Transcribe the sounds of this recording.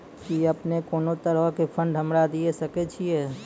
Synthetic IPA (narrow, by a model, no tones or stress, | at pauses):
kiəpnekoːnot̪əɾəɦkepʰə̃ɳɖɦəmɾad̪iesəkɛt͡ʃʰiɛː